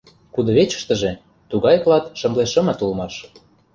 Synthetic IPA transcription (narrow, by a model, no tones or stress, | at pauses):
kud̪ɤ̆βet͡ɕə̥̆ʃt̪ə̆ʒĕ | t̪uɣɑjklɑt̪ʃɤ̆mleʃɤ̆mɤ̆t̪ulmɑʃ